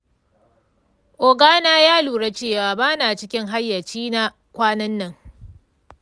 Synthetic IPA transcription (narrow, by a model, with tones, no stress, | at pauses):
ʔoː˨ɡaː˦naː˦jaː˦luː˨ɽa˦t͡ʃeː˦˨waː˨baː˦naː˨t͡ʃɪ˦kʲɪ˦ŋɦa˦jːɐ˨t͡ʃiː˦na˦ | kʷaː˦nɐ˦nːɐ˨ŋ